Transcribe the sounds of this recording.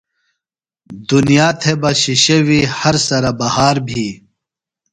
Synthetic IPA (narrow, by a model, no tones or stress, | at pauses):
d̪unijaːt̪ʰebɐɕiɕɐwihɐɾsɐɾabɐhaːɾbʱiː